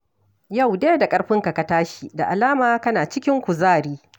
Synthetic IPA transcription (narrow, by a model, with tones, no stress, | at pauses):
ja˦˨wdeː˦da˨kʼɐ˦ɽɸɪ˦ŋka˨ka˨taː˦ʃi˦˨da˨ʔa˨laː˦maː˨kɐ˦naː˨t͡ʃɪ˦kʲɪ˦ŋkʷu˨zaː˦˨ɾiː˦